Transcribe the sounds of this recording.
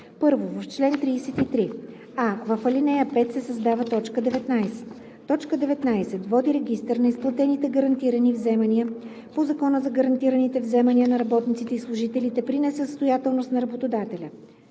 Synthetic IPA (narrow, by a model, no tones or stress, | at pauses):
pɤɾvovɐft͡ʃlɛnt̪ɾiːsɛt̪it̪ɾi | avəfəlinɛjəpɛt̪sɛsɐzd̪avət̪ɔt͡ʃkəd̪ɛvɛt̪najsɛ̥t̪ː | ɔt͡ʃkəd̪ɛvɛt̪najsɛt̪vɔd̪iɾɛɡ̟ist̪əɾnɐisplˠɐt̪ɛnit̪ɛɡəɾɐnt̪iɾənivzɛmɐniə | pozɐkɔnəzɐɡɐɾɐnt̪iɾənit̪ɛvzɛmɐniənɐɾɐbɔt̪nit̪sit̪ɛislˠʊʒit̪ɛlit̪ɛpɾinɛsɛst̪ojat̪ɛlˠnost̪nɐɾɐbot̪od̪at̪ɛlʲə